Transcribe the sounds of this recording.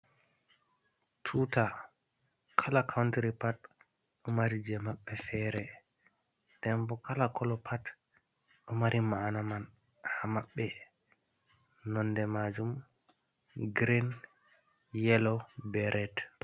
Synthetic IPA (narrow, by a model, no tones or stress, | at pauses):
tʰuta | kʰalakʰawntɾipat | ɗɔmaɾid͡ʒɛmaɓːɛfɛːɾɛ | d̥ɛmbɔkalakʰɔlɔpʰat | ɗɔmaɾʔimaːnaman | hamaɓːɛ | nɔndɛmad͡ʒum | ɡɾin | jɛlɔbɛɾʔɛt